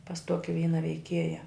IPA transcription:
pɐs ˈtoːkʲɪ ˈʋʲiːnɐ ʋʲɛɪˈkʲiɛjɛ

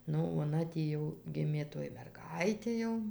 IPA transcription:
ˈnʊ oːˈnɐ tʲiː ˈjɛʊ ˈɡʲɪmʲeː ˈtoːj mʲɛrˈɡɐɪtʲeː jɛʊ

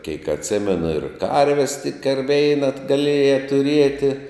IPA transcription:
kʲɛɪk ɐtʲˈsʲɪmʲɛnʊ ɪr ˈkɐrʲʋʲɛs tʲɪk ɐr ˈʋʲɛɪnɐ ɡɐˈlʲiɛjɛ tʊˈrʲiɛtʲɪ

